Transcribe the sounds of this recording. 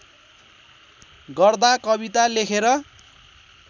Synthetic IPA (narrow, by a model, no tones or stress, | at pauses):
ɡʌrd̪akʌbit̪alekʰeɾʌ